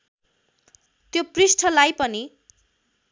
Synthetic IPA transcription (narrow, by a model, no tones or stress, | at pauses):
t̪joprisʈʰʌlajpʌni